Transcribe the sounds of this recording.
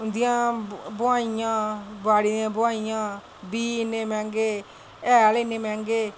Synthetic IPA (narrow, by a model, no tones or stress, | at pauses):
ʊnd̪ɪjãːbʊaːijãːbaːɽid̪ãːbʊaːijãː | biːneːmɛ̃ːŋɡeː | ɛːleneːmɛ̃ːŋɡeː